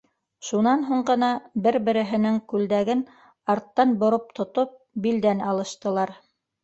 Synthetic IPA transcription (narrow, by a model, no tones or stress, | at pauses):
ʃunɑnɦuɴɢɤ̆nɑbɘɾbɘ̆ɾɘ̆ɦɘ̆nɘŋkʉld̪æɡɘn | ɑɾt̪ːɑnbŏɾop̚t̪ʰŏt̪op̚ | bild̪ænɑlˠɤ̆ʃt̪ɤ̆lˠɑɾ